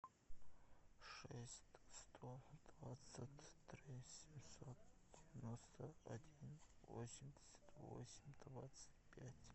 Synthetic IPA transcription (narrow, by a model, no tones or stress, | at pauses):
ʂɛsʲtʲstʰod̪̥vat͡sɨtʲʰːrisʲemsot̪d̥ʲevʲenost̪ʰɐadʲinvo̰sʲimdʲe̥sʲḁt̪vo̰sʲimʲd̪vat̪sʰɨ̥tʲpʲʰatʲ